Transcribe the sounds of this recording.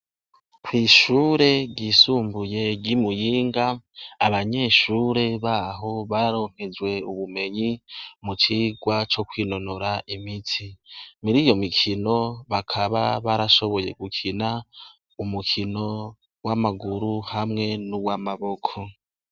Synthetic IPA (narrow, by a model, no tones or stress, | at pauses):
kwiːʃuːɾe̞ɟiːsuːmbuje̞ɟɟimujiːŋɡaːβaɲe̞ːʃuːɾe̞βaːɦo̞βaɾaɾo̞ːŋ̥he̞d͡ʒwe̞uβume̞ɲimut͡ʃiːɡwat͡ʃo̞kwiːno̞no̞ɾaʔimitʰimiɾiːjo̞mikʰino̞βakʰaβa̰βaɾaʃo̞βo̞je̞ɡukʰina | umukʰino̞ | wamaɡuɾuhamŋe̞nuwamaβo̞kʰo̞